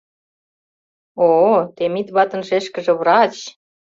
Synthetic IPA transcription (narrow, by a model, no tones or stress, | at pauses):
ot̪emit̪βɑt̪ə̆nʃeʃkə̆ʒĕβrɑt͡ɕ